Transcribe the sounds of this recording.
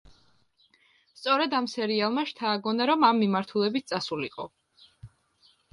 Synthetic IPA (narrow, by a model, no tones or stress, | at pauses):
st̪sʼɔɾɛd̪amsɛɾialˠmaʃt̪ʰaːɡɔnaɾɔmamːimaɾt̪ʰulɛbit̪̚t̪sʼasuliqʼɔ